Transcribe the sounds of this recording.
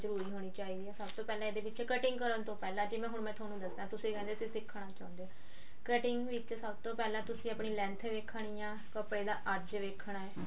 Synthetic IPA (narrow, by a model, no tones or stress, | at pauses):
zəɾuːɾiːɦoːɽ̃iːt͡ʃaːiːd̪iːɛːsəbt̪oːpɛːlãeːd̪eːpɪʃekəʈɪŋɡkəɾənt̪õːpɛːlãːd͡ʒeːmɛ̃ːɦʊɳmɛ̃ːt̪ʰaːnũːd̪əsd̪ãːt̪ʊsĩːkɛ̃ːnd̪eːsĩːsɪkʰːɽaːt͡ʃã̰ːʊ̃nd̪eaː | kəʈɪŋɡʋɪt͡ʃsəbt̪õːpɛːlãːt̪ʊsĩːəpɳiːlɛ̃ːnt̪ʰʋeːkʰɽ̃iːjãː | kəpɽeːd̪aːʔəɾd͡ʒʋeːkʰːɽ̃aːɛː